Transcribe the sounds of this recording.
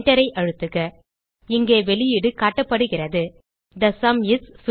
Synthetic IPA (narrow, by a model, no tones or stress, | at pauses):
ʈɐɾɐɪʔɐɻɯt̪ːɯɣɐ | ɪŋɡeːʋɛɭɪjɪɽɯkaːʈːɐpːɐɽɯɣɪrɐðɯ | d̪ɐsɐmɪss